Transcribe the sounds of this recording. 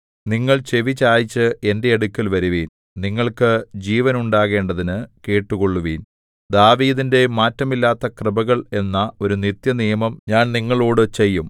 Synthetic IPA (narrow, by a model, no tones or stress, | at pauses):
niŋːɐɭt͡ɕe̞ʋit͡ɕːaːjit͡ɕːɨe̞nde̞ɐɽukʲːɐlʋɐɾuʋiːn | niŋːɐɭkɨd͡ʑiːʋɐnuɳɖaːɣe̞ːɳɖɐðinɨke̞ːʈːuɣo̞ɭːuʋiːn | d̪aːʋiːðinde̞maːtːɐmilːaːt̪ːɐkrɨbɐɣɐɭe̞nːɐo̞ɾunit̪jɐnijɐmɐmɲaːnniŋːɐɭoːɽɨt͡ɕe̞jːum